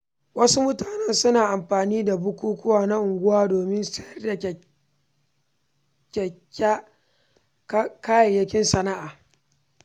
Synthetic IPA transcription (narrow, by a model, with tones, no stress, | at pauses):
wɐ˦su˦mʊ˦taː˨nɛ˦nsʊ˦naː˨ʔa˨mɸaː˨niː˦da˨bʊ˦kʷuː˦kʷʊ˦waː˨na˦ʔʊ˨ŋɡʷʊ˦waː˦doː˨mɪ˦nsɛ˦jɐ˦rda˨ | kʲɛ˨kʲ | kkaː˦jɐ˨jɐ˦kʲɪ˦nsɐ˦na˦ʔaː˨